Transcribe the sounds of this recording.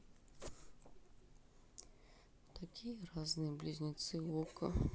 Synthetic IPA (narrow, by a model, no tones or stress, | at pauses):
t̪akʲijəraznɨjəblʲɪzʲnʲɪt̪sɨɔkə̰